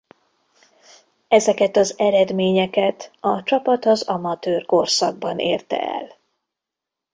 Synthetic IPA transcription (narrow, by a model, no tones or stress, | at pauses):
ɛzɛkɛt̪ɒzɛɾɛd̪meːɲɛkɛt̪ɒt͡ʃɒpɒt̪ɒzɒmɒt̪øːrko̞rsɒɡ̚bɒnḛːrt̪ɛ̰ɛ̰l